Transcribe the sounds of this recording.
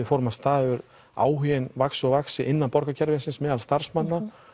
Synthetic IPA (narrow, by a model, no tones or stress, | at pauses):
ɪfɔɾmast̪aːðʏɾ | a̰ːwɦiɪnvaksʏɔvaksɪʔɪnːanpɔɾkacʰɛɾvɪnsɪnsmɛːðalst̪aɾ̥smanːa